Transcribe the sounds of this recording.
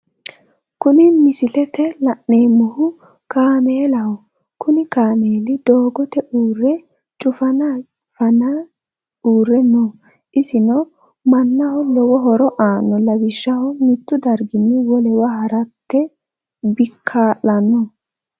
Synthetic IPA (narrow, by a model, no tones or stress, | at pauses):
kʊnɪmɪsɪlɛt̪ɛlɐʔːe̞ːmːʊhʊ | kaːme̞ːlɐhɔ | kʊnɪkaːme̞ːlɪd̪oːɡɔt̪ɛʔuːrːɛ | t͡ʃʼʊfɐna | fɐna | uːɾɛnːɔ | ʔɪsɪnɔ | mɐnːɐhɔlɔwɔɦɔɾɔʔaːnːɔlɐwɪʃːɐhɔmɪt̪ːʊd̪ɐɾɡɪnːɪwɔlɛwɐɦɐɾɐt̪ːɛ | bɪkʰːaːlɐnɔ